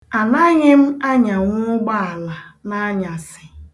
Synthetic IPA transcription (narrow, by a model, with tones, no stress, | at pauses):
a˨na˦ɲɪ˦m̩˦a˦ɲa˨ŋʷʊ˦ɡ͡ba˦a˨la˨na˦ɲa˨sɪ˨